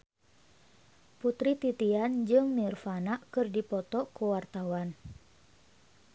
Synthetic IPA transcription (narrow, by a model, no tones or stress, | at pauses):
put̪ɾit̪it̪iand͡ʒɨŋmirfanaʔkɨrdipɔt̪ɔkəwart̪awan